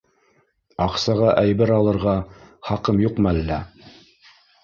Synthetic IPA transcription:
ɑqsɑʁɑʔæjbɘɾɑlˠɤ̆ɾʁɑχɑqɤmjuqmælːæ

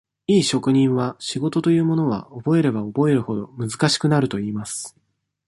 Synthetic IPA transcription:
iːɕo̞kɯ̟ɲ̟ĩɰ̃βaɕiɡo̞t̪o̞t̪o̞jɯ̟ːmo̞no̞β̞a̰obo̞e̞ɾe̞bao̞bo̞e̞ɾɯ̟ho̞d̪o̞̰mɯ̟zɨkaɕi̥kɯ̟naɾɯ̟t̪o̞iːmasɨ̥

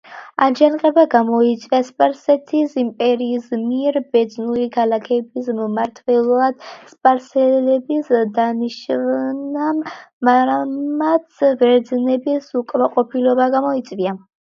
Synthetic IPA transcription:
and͡ʒanqʼɛbaɡamɔit̪sʼviaspʼaɾsɛt̪ʰisimpʼɛɾiːsmiɛɾbɛd̪znulikʰalakʰɛbismmaɾt̪ʰvɛlˠɔad̪̥spʼaɾsɛlɛbisd̪aniʃvnamːamat̪sʰvɛɾd̪znɛbisukʼmaqʼɔpʰilɔbaɡamɔit̪sʼvia

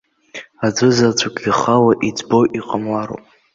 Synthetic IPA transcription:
ad͡zʷɨzat͡sʷʰakʲʼiχalaʔid͡zboʔiqʼamlaɾo̰wpʼ

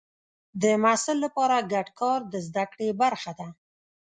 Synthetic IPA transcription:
d̪əmasɪlːapɑɾaɡaɖkɑɾd̪əzd̪akɽebaɾxad̪a

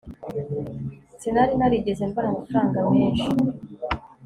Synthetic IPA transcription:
sinaɾinaɾiɟe̞zembaɾamafuɾaːŋɡameːnʃi

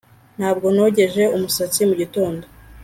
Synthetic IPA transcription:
n̥haːbɡo̞no̞ɟe̞ʒe̞umusat͡simuɟito̞ːndo

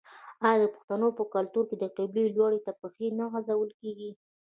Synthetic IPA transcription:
ɑjɑd̪əpʊ̥xt̪anopəkalt̪uɾked̪əqɪblejlwɑɽet̪apəxenaɣazawəlkeɡi

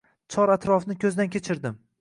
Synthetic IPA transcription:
t͡ʃʰɒɾat̪ɾɒfnɪkʲʰɵzd̪ankʲʰe̞t͡ʃʰɪɾd̪ɪm

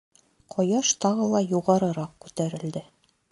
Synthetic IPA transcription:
qʰɒjɑʃt̪ɑʁɤlˠɑjuʁɑɾɤ̆ɾɑq̚kʉt̪æɾɘ̆ld̪ɘ

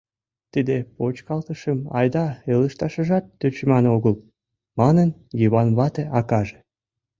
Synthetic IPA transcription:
t̪id̪epot͡ɕkɑlt̪əʃəmɑ̰jd̪ɑeləʃt̪ɑʃəʒɑt̪ːøt͡ɕmɑnoɣəl | mɑnənjəβɑnβɑt̪eʔɑkɑʒe̥

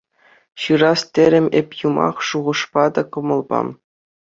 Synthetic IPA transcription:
ɕɯɾɑst̪ʲĕɾʲɘ̆mʲepʲjumɑ̰χʂuʁɤ̆ʂpɑd̪ɑkɤ̆mɤ̆lˠbɑ̰

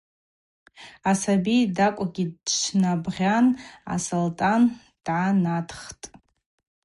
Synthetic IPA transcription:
asabidakʷʼaɡʲidt͡ʃʰnabʁʲana̰soltʼan | d̥ʕanatʰχtʼ

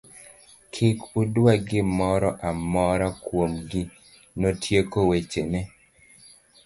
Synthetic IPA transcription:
kʰɪkudwaɡɪmɔɾɔʔamɔɾɔkwomɡɪ | notʰjekowet͡ʃenɛ

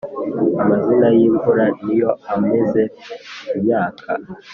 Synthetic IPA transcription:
amazinajiːɱvuɾaijo̞ame̞ze̞ubjaːkʰa̰

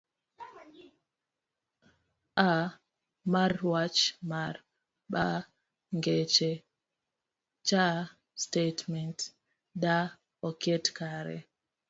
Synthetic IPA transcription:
ʔa | maɾwat͡ʃmaɾ | ɓa | ŋɡɛt͡ʃɛ | t͡ʃa | stetmɛnt | ɗa | ɔkɛtkaɾɛ̰

